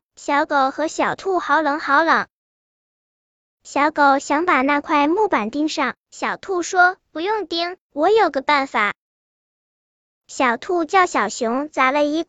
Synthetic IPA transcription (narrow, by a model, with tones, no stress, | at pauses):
ɕjɑ˧˥ʊko˨˩ʊxɤ˧˥ɕjɑ˨˩ʊt̪ʰu˥˩xɑ˧˥ʊlɤ˧˥ŋxɑ˧˥ʊlɤ˧˥˦ŋ | ɕjɑ˧˥ʊko˨˩ʊɕjɑ˧˥ŋpa˨˩na˥˧kʰwa˥˧ɪmu˥˩pa˨˩nt̪i˥ŋʂɑ˥˩ŋ | ɕjɑ˨˩ʊt̪ʰu˥˩ʂwɔ˥pu˧˥jʊ˥˩ŋt̪i˥ŋ | wɔ˧˥jo˨˩ʊɡə˦pa˥˩nfa˨˩˦ | ɕjɑ˨˩ʊt̪ʰu˥˧t͡ɕjɑ˥˩ʊɕjɑ˨˩ʊɕjʊ˧˥ŋt͡sa˧˥˩lə˧i˧˥